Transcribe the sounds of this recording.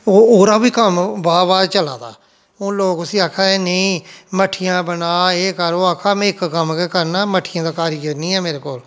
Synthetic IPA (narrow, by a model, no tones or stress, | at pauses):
oːoːɾaːʋiːkəmbaːɾbaːɾt͡ʃəlã̰ːd̪a̰ː | ʊnloːkʊsĩːaːkʰaːeːnəĩːməʈʰɪjãːbənaːeːkəɾoːaːkʰaːmɛ̃ːɪkːəmkekəɾnaːməʈʰɪjãːd̪aːkaːɾɪjəɾnĩːɛːmeːɾeːkoːl